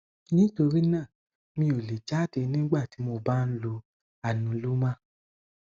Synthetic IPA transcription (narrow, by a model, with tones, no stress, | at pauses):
nĩ˦to˧ɾi˦nãː˦˨ | mĩ˧˦o˨le˨d͡ʒa˦de˨˧nĩ˦ɡ͡ba˦˨ti˨˦mo˧˦ba˦n̩˦lo˧ | a˦˨nũ˨˦lu˦mã˦